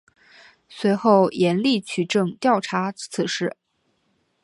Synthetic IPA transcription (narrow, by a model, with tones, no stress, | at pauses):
swe˧˥ɪxo˥˩ʊjɛ˧˥nli˥˩t͡ɕʰy˨˩ʈ͡ʂɤ˥˩ŋt̪jɑ˥˩ʊʈ͡ʂʰa˧˥t͡sʰɹ̩˨˩ʂɻ̩˥˩